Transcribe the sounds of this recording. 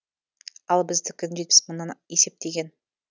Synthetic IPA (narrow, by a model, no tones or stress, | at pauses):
ɑlˠbɪzd̪ɪkʲʰɪnʒet̪̚pɪ̥sməɴnɑnje̞se̞p̚t̪e̞ɡʲe̞n